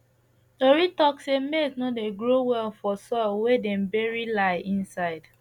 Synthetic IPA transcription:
toɹitɔksemesnodeɡɹowɛlfɔsɔlwedɛ̃mbɛɹilaɪʔĩnsaɪd̥

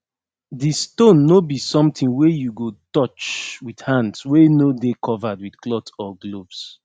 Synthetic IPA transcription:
distõnːobisɔ̃mtĩŋwejuɡotɔt͡ʃwidhãndswenodekʰɔvadwidklɔtsɔɡlovs

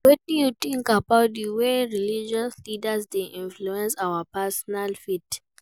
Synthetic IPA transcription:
wɛtjutĩŋkabaʊt̚diweɹilid͡ʒɔslidəsdeʔĩnfluɛ̃nsawapɛsɔnalfit

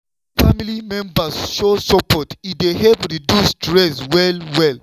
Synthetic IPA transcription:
familimɛ̃mbasʃosɔpɔtideɦɛpɹidustɹɛswɛlwɛl

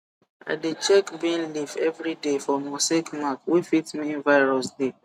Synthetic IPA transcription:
a̰det͡ʃɛkbĩnlivɛvɹidefɔmɔsekmakwifitmĩnvaɪɹɔsde

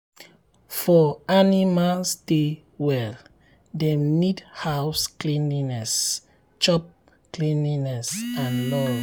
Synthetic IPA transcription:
fɔanimalsde | wɛl | denidhawsklĩninɛs | t͡ʃɔp̚ | klĩninɛsãnlɔ

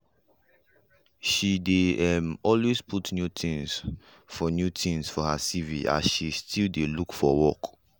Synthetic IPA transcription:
ʃideɛmɔlwezpʰutnjutʰĩŋs | fɔnjutʰĩŋsfɔhasiviʔa̰sʃistʰildelukfɔ̰wɔ̰k

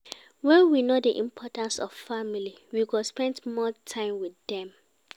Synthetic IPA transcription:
wɛ̃nwinodiʔḭ̃mpʰɔtãnsɔv̥famili | wiɡɔspɛ̃ndmɔtʰãɪ̃mwiðɛ̃m

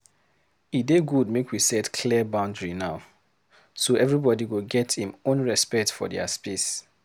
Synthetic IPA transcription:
ideɡud̚mekwisɛtkʰliəbãʊ̃ndɹinaʊ | soɛvɹibɔdiwiɡɛthĩmõnɹɛspɛk̚tfɔ̰dɛ̰a̰spis

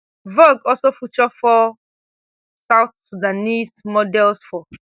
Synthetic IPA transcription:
voɡɔlsofut͡ʃɔfɔ | sawθsudanismɔdɛlsfɔ

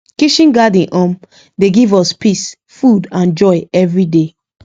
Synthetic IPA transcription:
kiʃĩnɡadĩnʔɔ̃m | deɡivɔspis | fudãnd͡ʒɔɪɛvɹide

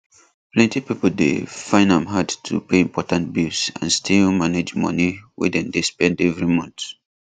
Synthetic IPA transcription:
plɛ̃ntipipəldḛfãɪ̃ndãmɦadtʰṵpʰeĩmpʰɔtãnt̚bisã̰nstʰilmaned͡ʒmʌ̰niwḭdɛ̃ndespɛ̃ndɛvɹimʌ̃nθ

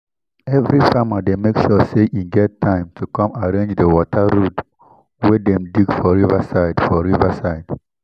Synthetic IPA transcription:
ɛvɹifamademekʃɔseʔiɡɛtʰːãɪ̃mtʰukɔ̃maɹẽnd͡ʒdəwɔtʰəɹut | wɛdɛ̃mdiɡfɔɹivasaɪdfɔɹivəsaɪd

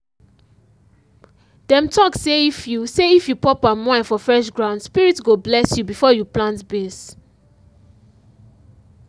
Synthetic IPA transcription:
d̥ɛ̃mtʰɔkseifjuseifjupɔpamãɪ̃nfɔfɹɛʃɡɹãʊ̃ndspiɹitsɡoblɛsjubifɔjuplãntbes

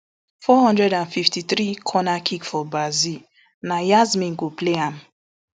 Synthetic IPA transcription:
fɔhɔ̃ndɹɛdãnfiftiθɾikʰɔnakʰikfɔbazi | najazmĩnɡopleɦãm

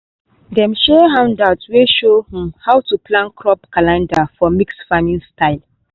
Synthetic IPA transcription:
dɛ̃mʃɛɦãw̃ndatweʃohĩmhawtuplãnkʰɹɔpkalãndafɔmiksfamĩnstaɪl

